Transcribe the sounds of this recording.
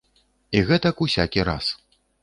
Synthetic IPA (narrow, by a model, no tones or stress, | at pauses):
iɣɛt̪ɐkusʲakʲiɾa̰s